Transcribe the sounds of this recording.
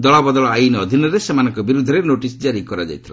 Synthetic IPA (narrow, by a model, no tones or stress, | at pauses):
d̪ɔɭabɔd̪ɔɭɔajnɔːd̪ʱinɔɾesemanɔ̃ŋkɔbiɾud̪ʱːɔɾenoʈisd͡ʒaɾikɔɾad͡ʒa̰jt̪ʰila